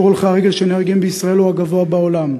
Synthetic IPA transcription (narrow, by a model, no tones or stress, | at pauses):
ʁulχaaʁeɡe̞lʃeneʁɡimbeisʁae̞luaɡavo̞abao̞lam